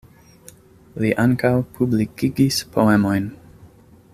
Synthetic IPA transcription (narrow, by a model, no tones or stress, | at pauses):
liʔaŋkawpʰublikiɡispʰoemojn